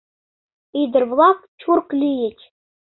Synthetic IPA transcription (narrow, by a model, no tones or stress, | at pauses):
id̪ɘ̆rvlˠɑkt͡ɕʰurklʲijɘ̆t͡ɕ